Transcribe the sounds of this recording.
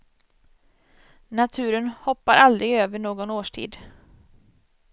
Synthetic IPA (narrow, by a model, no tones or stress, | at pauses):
nat̪ʰʉ̟ːɾənhɔpːaɾʔald̪ɾɪɡøːvəɳoːɡɔnoːʂʈʰḭːd̪